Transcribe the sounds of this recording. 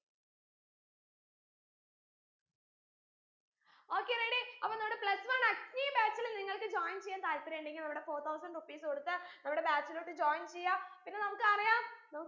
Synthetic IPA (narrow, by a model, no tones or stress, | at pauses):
o̞ːkːereːɽiɐpːoːnɐmːuɽepɭɐsʋɐnɐɲiːbaːt͡ɕːɐlniŋːɐɭkɨd͡ʑoːjnt͡ɕejant̪aːlpːɐɾeɳɖeŋɡilnɐmuɽe̞fo̞ːt̪ʰɐwsɐɳɖrupːiːskoɽut̪ːɨnɐmuɽe̞baːt͡ɕːɐloːʈːɨd͡ʑoːjnt͡ɕejːaːpinːe̞nɐmukːɨɐrɐjaːnɐmukː